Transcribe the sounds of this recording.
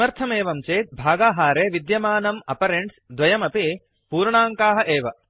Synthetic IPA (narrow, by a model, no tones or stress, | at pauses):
ɐɾt̪ʰɐmeːʋɐmt͡ʃeːt̪̚bʱaːɡaːɦaːɾeːʋid̪jɐmaːnɐmɐpɐɾeɳʈsd̪ʋɐjɐmɐpi | puːɾɳaːŋkaːɦɐ̆ʔeːʋɐ